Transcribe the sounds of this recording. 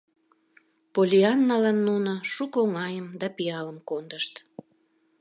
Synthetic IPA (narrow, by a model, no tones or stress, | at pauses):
polʲiɑnːɑlɑnːunoʃukoŋɑjəmd̪ɑpiɑləmkond̪əʃt̪